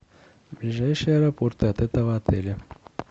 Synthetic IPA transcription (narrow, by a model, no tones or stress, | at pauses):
blʲɪʐajʂɨjəɐɛɾɐport̪ɨɐt̪ɛt̪əvɐɐt̪ɛlʲɐ